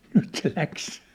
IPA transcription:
nyt se læks

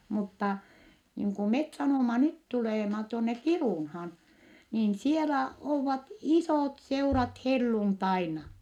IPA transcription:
mutːɑˑ niːŋ ku met sɑnoˑmɑ nyt tuleˑmɑ tuonːe kiruˑnhɑːn niːn sielæ oːʋɑt isoˑtseurɑt helːuntɑinɑ

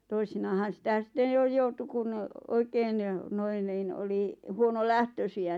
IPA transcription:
toisinɑːhɑn̞ sĭtæ sĭtːen jo joutu kun oikeːn noin niːn oli huonolæhtøsiæ

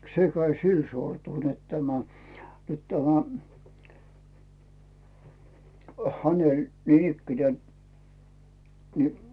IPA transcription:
se kæi sil sortul net tæmæ nyt tæmæ hænelʲ niːnikːine ni

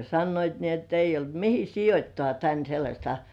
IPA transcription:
sɑnːoit ni et eijː olt mihi sijotʲtoɑˑ tæn selːɑsʲtɑ

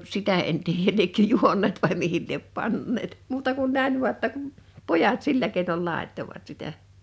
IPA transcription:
sitæ en tiːjæl liekːø juonːeːt ʋɑˑi mihil liep pɑnːeːt muːtɑ kun næin ʋu̞ɑ tːɑ kum pojɑt silːæ keˑinol lɑˑetːoʋɑt sitæ

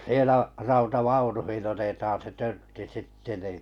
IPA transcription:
sielæ rɑutɑʋɑunuhin otetɑːn se tørtːi sitːe niˑ

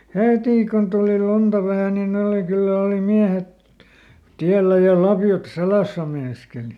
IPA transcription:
hetiˑ kun tuliˑ luntɑ ʋæhæ nin ne oli kylːæ oli miæhet tiælːæ jɑ lɑpjot selæsæ meinɑskeli

